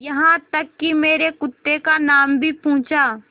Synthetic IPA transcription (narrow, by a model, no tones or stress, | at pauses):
jɐɦãt̪ɐkːimeːɾekʊt̪ːekanaːmbʱipũːt͡ʃaː